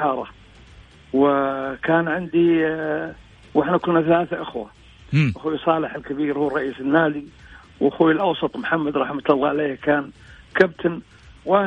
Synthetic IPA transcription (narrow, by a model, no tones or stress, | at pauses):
ɑːɾˤɑ | wɪkaːnʕɪnd̪i | wɪħnakʊnaθalaːθaʔɪxwa | ʔaxuːwisˤɑːlɪħɪlkabiːɾhuːrˤːɑʔiːsɪnːaːd̪i | wʔaxuːɪlʔɑwsˤɑt̪ˤmħamːad̪ɾˤɑħmʊt̪ɑlˤːɑʕleːhkaːnkab̚t̪ʰan | wʔa